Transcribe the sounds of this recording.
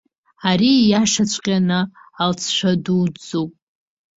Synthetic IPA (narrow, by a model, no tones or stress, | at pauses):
aɾijaʂat͡ɕʷʰʼqʲʼanɨalt͡sʰʃʷadud͡zopʼ